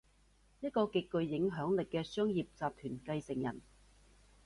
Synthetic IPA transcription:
jɐ˥t̚kɔː˧kɪ˧kːɵ˧ɥːɪ˨˥ŋɦœː˨˥ŋlɪ˨kːɛː˧sœː˥ŋjiː˨p̚t͡saː˨p̚t̪ʰyː˨˩nkɐ˧jsɪ˨˩ŋjɐ̰˨˩n

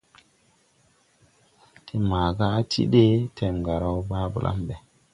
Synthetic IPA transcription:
tʰe˨maː˨ɡa˦a˦tʰḭ˦ɗe˦tʰe˨mɡa˨ɾa˦wba˦bṵ˨lʔa̰˦mbe˨

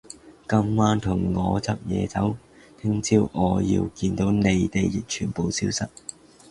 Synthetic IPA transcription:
kɐ˥mwaː˥nt̪ʰʊ˨˩ŋŋɔː˨˧t͡sɐ˥p̚jɛ̰ː˨˧t͡sɐ˨˥w | t̪ʰɪ˥ŋt͡sʰiː˥wʔɔː˨˧jḭ˧wkiː˧nt̪o˨˥wne˨˧jt̪e˨jːɪ˨k̚t͡ʃʰyː˨˩npo˨wsiː˧˥wsɐ˨t̚

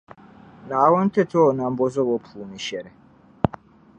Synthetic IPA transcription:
naː˨˦wɔ˦n˦t̪ʰɛ˦t̪ʰɔ˦na˨mbɔ˦zɔ˦βɔ˨pʰuː˨ni˨ʃɛ˨ɾɛ˨

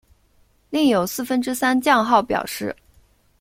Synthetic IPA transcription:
li˥˩ŋjo˨˩ʊsɹ̩˥˩fə˥nʈ͡ʂɻ̩˥sa˥nt͡ɕjɑ˥˧ŋxɑ˥˩ʊpjɑ̰˨˩ʊʂɻ̩˥˩

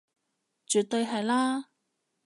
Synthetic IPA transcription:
t͡ʃyː˨t̪ːɵ˧jɦɐ˨jlaː˥

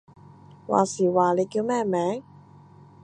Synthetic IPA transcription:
wa̰ː˨siː˨˩waː˨le˨˧jkiː˧wmɛː˥mɛː˨˧˥ŋ

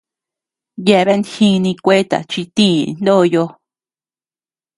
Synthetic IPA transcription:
je˧βe˦˧nd̪hĩ˦˧nĩ˧kʷe˦t̪a̰˨t͡ʃi˧t̪ĩ˦˨˧nd̪o˦˨˧jo˧

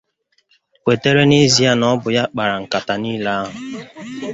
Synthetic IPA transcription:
kʷe˨te˦ɾe˦ni˦zi˦a˦nɔ˦bʊ˨ja˦k͡pa˨ɾa˨ŋ̩˨ka˨ta˨niː˦la˦a˦ɦʊ˨

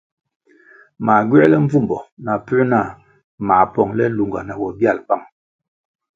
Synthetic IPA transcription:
ma˨ɡɥɛ˦lɛ˦ɱ̩˦vu˦˨mbɔ˨na˨pʉ˦na˦˨ | ma˨pɔ˨ŋlɛ˦lu˨ŋɡa̰˨na˨wɔ˨bja˦˨lpa˦˨ŋ

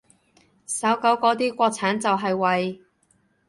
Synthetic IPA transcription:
sɐ˨˥wkɐ˨˥wkɔː˨˧˥t̪̬iː˥kʷɔː˧k̚t͡sʰaː˨˥nt͡sɐ˨wɦɐ˨jwɐ˨j

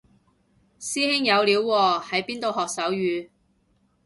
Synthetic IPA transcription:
siː˥ɦɪ˥ŋjɐ˨˧wliː˨˥wːɔː˧hɐ˨˥jpiː˥nt̪o˨wɦɔː˨k̚sɐ˨˥wjyː˨˧

